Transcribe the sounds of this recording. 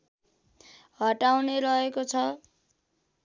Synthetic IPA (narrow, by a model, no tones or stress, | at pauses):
ɦʌʈawneɾʌekot͡sʰʌ